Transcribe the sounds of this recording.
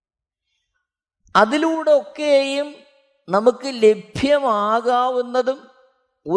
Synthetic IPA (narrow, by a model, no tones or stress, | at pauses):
ɐðiluːɽeokːeːjum | nɐmukːɨle̞bʱjɐmaːɣaːʋunːɐðum | o